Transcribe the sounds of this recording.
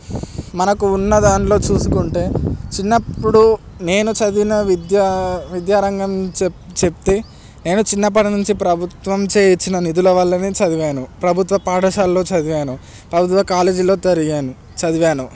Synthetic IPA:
mɐnɐkuːnːɐd̪aːnlo̞ːt͡ʃuːsukuɳʈe̞ːt͡ʃinːɐpːuɽu | ne̞ːnut͡ʃɐd̪inɐʋid̪jaʋid̪jaːɾɐŋɡɐmt͡ʃt͡ʃep̚t̪e | ne̞ːnut͡ʃinːɐp̬ɐɽɐnuɲt͡ʃipɾɐbʱut̪ʋɐmt͡ʃe̞ːjit͡ʃːinɐnid̪ulɐʋɐlːɐneːt͡ʃɐd̪iʋaːnupɾɐbʱut̪ʋɐpaːɖɐʃaːlːo̞ːt͡ʃɐd̪iʋaːnu | pɾɐbʱut̪ʋɐkaːle̞ːd͡ʒilo̞ːd͡ʒɐɾiɡaːnu | t͡ʃɐd̪iʋaːnu

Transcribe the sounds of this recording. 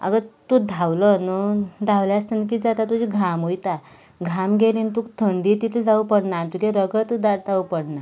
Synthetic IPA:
a̰ɡət̪ud̪ʱawlənud̪ʱawleast̪ənk̬iːd͡zat̪at̪ud͡ʑiɡʱamojt̪a | ɡʱamɡeliːnt̪ukt̪ʰəɳɖiːt̪it̪ʰəd͡zaupəɽnant̪ukeɾəɡət̪d̪aɽd̪ʰʱaupəɽna

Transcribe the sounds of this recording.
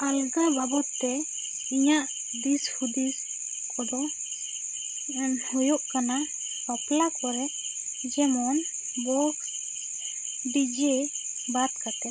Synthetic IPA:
alɡababɔt̪ːɛ | iɲaʔ | d̪ishud̪is | kʰɔd̪ɔ | hujɔʔkana | baplakɔɾɛ | d͡ʒɛmɔn | bɔk | d̪id͡ʒe | bat̪kat̪ɛ

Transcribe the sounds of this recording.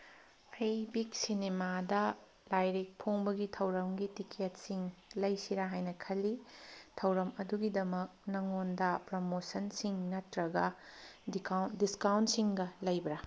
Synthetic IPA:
ɐjbik̚sinemadɐ | lajɾik̚pʰoŋbɐɡitʰɐwɾɐmɡitikʰet̚siŋlɐjsiɾaɦajnɐkʰɐlːitʰɐwɾɐmɐduɡidɐmɐk̚nɐŋondɐpɾomosɐnsiŋnɐtɾɐɡɐ | diskawntsiŋɡɐlɐjbɐɾɐ

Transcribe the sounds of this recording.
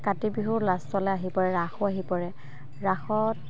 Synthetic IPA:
katibiɦuɹlastwalɛaɦipɔɹɛɹaxʊaɦipɔɹɛ | ɹaxɔt

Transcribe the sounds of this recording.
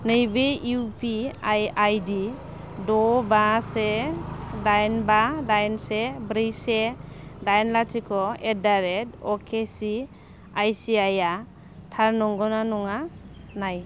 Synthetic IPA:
nɯjbeupʰiajajdi | dɔbase | dajnbadajnsebɾisedajnlatʰikʰɔedaɾetɔkʰesi | ajsiaja | tʰaɾnɔŋɡɔnanɔŋa | naj

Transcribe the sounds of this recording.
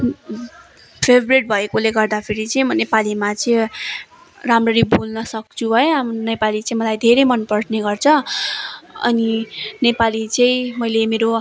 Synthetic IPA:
pʰebʱreʈ̚bʱʌekoleɡʌrd̪apʰeɾit͡sʌĩmʌnepalimat͡sʌ̃ | ramrʌɾibulnʌsʌk̚t͡sʰubʱʌjeamnepalit͡sʌĩmʌlajd̪ʱeɾemʌnpʌrʈneɡʌrt͡sʰʌ | ʌ̰ninepalit͡sʌĩmʌjlemeɾo

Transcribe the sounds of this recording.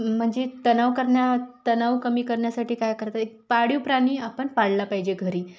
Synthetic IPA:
m̤əɳd͡zet̪ənaʋkəɾɳjat̪ənaʋkəmiːkəɾɳjasaʈiːkajkəɾt̪at̪ekpaɽiːpɾaɽ̃iːapəɳpaɽlapaɦid͡ʑeɡʱəɾiː

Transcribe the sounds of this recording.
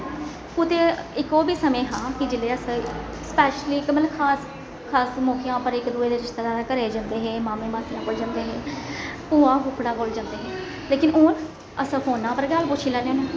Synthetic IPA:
kʊt̪eːɪkoːbiːsəmẽːɦãːkɪd͡ʒɪleːəsə | spɛːʃliːkməlkʰaːs | kʰaːsmoːkʰijãːpəɾɪkd̪uːeːd̪eːɾɪʃt̪elãːd̪eːkəɾeːd͡ʒãːnd̪eːɦɛ̃ːmaːmẽːmaːsiːãːkʊld͡ʒãːnd̪eːɦɛ̃ːpuːãːɦʊːpʰɽãːkold͡ʒãːnd̪eːɦɛ̃ː | leːkɪnoːn | əsə̃fʰoːnːãːpəɾɡaːlpʊt͡ʃʰiːlɛ̃ːneːoːnẽː

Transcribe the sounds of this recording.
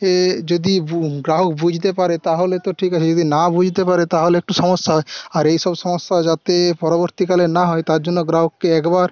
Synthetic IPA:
ed͡ʒod̪iɡɾaɦɔkbud͡ʒʱt̪epaɾet̪aɦolet̪ɔʈʰikat͡ʃʰed͡ʒod̪inabud͡ʒʱit̪epaɾet̪aɦoleɛk̚ʈusɔmɔsːaɦɔeaɾejsɔbsɔmɔsːad͡ʒat̪epɔɾɔboɾt̪ikalenaɦɔet̪aɾd͡ʒonːɔɡɾaɦɔkːeɛkbaɾ

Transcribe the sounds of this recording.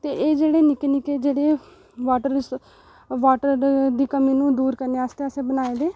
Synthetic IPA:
t̪eːʔeːd͡ʒeːɽeːnɪkeːnɪkeːd͡ʒeːɽeː | ʋaːʈəɾ | ʋaːʈəɾd̪iːkəmĩːnũːd̪uːɾkəɾneːəst̪eːəsẽːbənaːeːd̪eː

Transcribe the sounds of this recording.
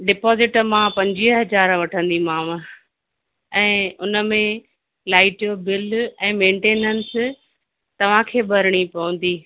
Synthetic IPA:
ɖɪpɔːzɪʈmãpɐ̃ɲd͡ʑiəɦɐzaːɾʋɐʈʰə̃nd̪imãːmə | ɛ̃ːʊnə̆mẽ | laːɪʈijobɪlɛ̃ːmẽːɳʈeːnəns | t̪ɐʋ̤ãkʰeːbɐɾɪɽ̃ipɐʋə̃nd̪iː

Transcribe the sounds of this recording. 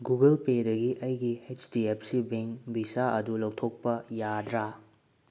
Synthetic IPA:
ɡuɡɐlpedɐɡiʔɐjɡiet͡ʃdiep̚ʰsibeŋbisaʔɐdulɐwtʰok̚pɐjad̪ɾa

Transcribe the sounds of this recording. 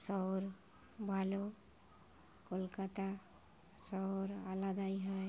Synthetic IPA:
sɔwɾ | bʱalo | kolkat̪a | sɔɾalad̪ajɦəj

